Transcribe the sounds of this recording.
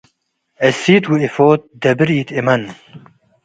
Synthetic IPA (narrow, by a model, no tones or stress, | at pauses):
ɛsiːt̪wiefoːt̪̚d̪ɐbɨɾiːt̪emɐn